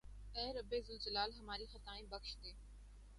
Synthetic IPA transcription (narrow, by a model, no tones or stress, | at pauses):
ɛːɾəbeːzʊld͡ʑəlaːlɦɐmaːɾixət̪aːĩːbɐkʃt̪eː